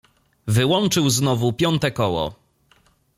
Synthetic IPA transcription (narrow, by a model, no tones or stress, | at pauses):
vɘwɔnt͡ʂɘwznɔvupʲjɔnt̪ɛkɔwɔ̰